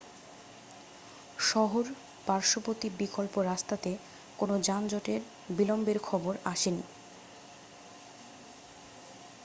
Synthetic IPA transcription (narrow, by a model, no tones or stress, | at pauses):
ʃɔɦoɾ | b̥aɾʃopot̪ibikolpoɾast̪at̪e | konod͡ʑand͡ʑɔʈeɾ | bilombeɾkʰɔboɾaʃeni